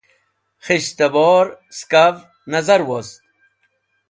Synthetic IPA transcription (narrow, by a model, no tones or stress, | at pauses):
χiɕt̪ɐboːɾskav | nɐzɐɾwost̪̚